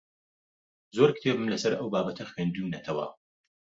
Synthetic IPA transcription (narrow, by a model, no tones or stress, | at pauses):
zoɾkɨ̥t̪ʰebɨmlɐsɐɾɐwbaːbɐt̪ʰɐxweːnd̪unɐt̪ʰɐwɐ̰